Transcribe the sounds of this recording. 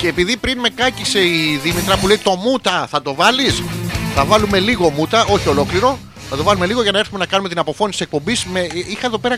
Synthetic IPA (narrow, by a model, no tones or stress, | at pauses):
ce̞ːpiðipɾinme̞kɐcise̞iðimit̪ɾɐpuleit̪o̞mut̪ɐθɐt̪o̞vɐlisθɐvɐlume̞liɣo̞mut̪ɐʔo̞çio̞lo̞kliɾo̞ | θɐt̪o̞vɐlume̞liɣoʝɐnɐe̞ɾθume̞nɐkɐnumet̪inɐpo̞fo̞nit̪sek̚po̞mbismeixɐeðo̞pe̞ɾɐ